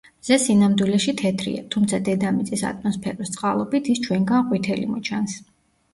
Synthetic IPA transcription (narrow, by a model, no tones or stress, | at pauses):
mz̥ɛsinamd̪wilɛʃit̪ʰɛt̪ʰɾḭa̰t̪ʰumt̪sʰad̪ɛd̪amit̪sʼisa̰t̪ʰʼmɔspʰɛɾɔst̪sʼqʼalˠɔbit̪ʰist͡ʃʰwɛŋɡanqʼwit̪ʰɛlḭmɔt͡ʃʰans